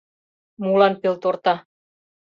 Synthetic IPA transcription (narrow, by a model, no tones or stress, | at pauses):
mulɑnpelt̪ort̪ɑ